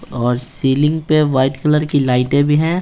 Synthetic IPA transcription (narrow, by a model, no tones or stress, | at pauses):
ɔːɾsiːlɪ̃ŋɡpeʋaːɪʈkələɾkilaːɪʈẽbʱiɦɛ̃ː